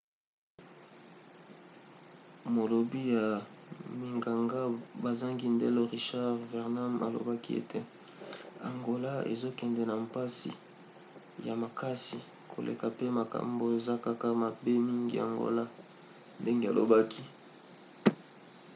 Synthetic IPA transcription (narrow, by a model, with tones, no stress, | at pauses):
mo˨lo˨bi˦ja˨mi˨ŋɡa˨ŋɡa˦ba˨za˦ŋɡi˦ndɛ˦lo˦ʁi˨ʃa˦ʁvɛ˨ʁna˦ma̰˨lo̰˨ba˦ki˦ḛ˨tʰe˦ | a̰˨ŋɡo˦la˦ḛ˨zo˦kɛ˨ndɛ˨na˨mpa˦si˨ | ja˨ma˨ka˦si˨ | kʰo˨lʔḛ˨ka˨pe˦ma˨ka̰˨mbo˨e˨za˦ka˦ka˦ma˨be˦mi˦ŋɡḭ˨a̰˨ŋɡo̰˦la˦ | nde˦ŋɡe˨a̰˨lo̰˨ba˦kʰi˦